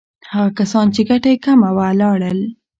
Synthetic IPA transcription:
haɣakasɑnt͡ʃeɡaʈajekamawalɑɽəl

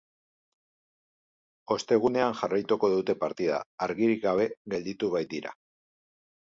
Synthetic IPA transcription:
o̞st̪e̞ɣ̞une̞anʝarajt̪uko̞ðut̪e̞paɾt̪ið̞a̰ːɾɣiɾikɡaβ̞e̞ɣe̞ld̪it̪uβajt̪iɾa̰

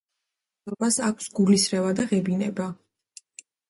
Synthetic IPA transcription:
ɔbasakʷʰsɡulisɾɛvad̪aʁɛbinɛba

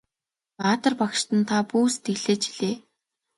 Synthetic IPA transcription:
paːt̪ə̆rpakʃt̪ə̆nt̪ʰapuːst̪ɡeɣɮeːt͡ɕi̥ɮeː

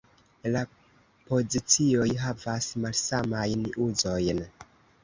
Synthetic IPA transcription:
la | po̞zit͡sio̞jɦavasmalsamajnuzo̞jn

